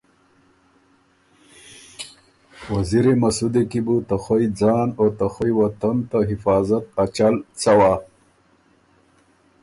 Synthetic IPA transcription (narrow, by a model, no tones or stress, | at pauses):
waziɾemasud̪ekibut̪axojd͡zɑːnot̪axojwat̪ant̪aɦɪfɑːzat̪̚at͡ɕalt͡sawa